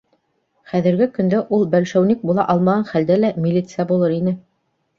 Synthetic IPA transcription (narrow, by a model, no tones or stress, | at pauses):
χæðɘ̆ɾɡɘkɵ̆nd̪æʔulˠbælʃæwnik̚bulˠɑ̰ʔɑlˠmɑʁɑnχæld̪ælæmʲilʲit̪sɨjabulˠɤɾinɘ